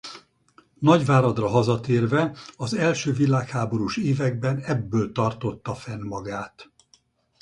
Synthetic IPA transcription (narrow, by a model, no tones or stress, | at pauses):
nɒɟvaːɾɒd̪rɒɦɒzɒt̪eːrvɛɒzɛlʃøːvilaːkhaːbo̞ɾuːʃeːvɛɡ̚bɛnɛbːøːlt̪ɒrt̪o̞t̪ːɒfɛnmɒɡaːt̪